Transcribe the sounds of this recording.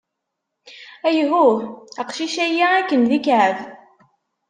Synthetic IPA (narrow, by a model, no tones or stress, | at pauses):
æjɦuəqʃiʃæjaækːənðikʕəð